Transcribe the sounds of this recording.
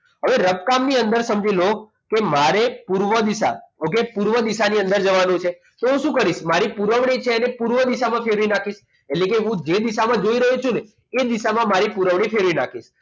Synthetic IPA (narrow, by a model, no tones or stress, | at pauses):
ɦəʋeɾəb̚kamniənd̪əɾsəmd͡ʒilo | kemaɾepuɾʋəd̪iʃa̰okepuɾʋəd̪iʃaniə̃nd̪əɾd͡ʒəʋanũt͡ʃʰe | t̪oɦũʃũkəɾiʃmaɾipuɾəʋɳit͡ʃʰeənepuɾʋəd̪iʃamãfʰeɾinakʰiʃ | eʈlekeɦũd͡ʒed̪iʃamãd͡ʒoiɾəɦut͡ʃʰune | ed̪iʃamãmaɾipuɾəʋɽ̃ifʰeɾʋina̰kʰiʃ